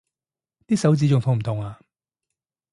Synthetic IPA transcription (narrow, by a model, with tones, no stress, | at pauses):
t̪iː˥sɐ˨˥wt͡siː˧t͡ʃʊ˨ŋfʰʊ˨˩m̩˨˩t̪ʰʊ˨˩ŋaː˧